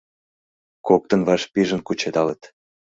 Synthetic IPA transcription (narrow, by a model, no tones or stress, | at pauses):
kok̚t̪ə̆nβɑʃpiʒə̆nkut͡ɕed̪ɑlət̪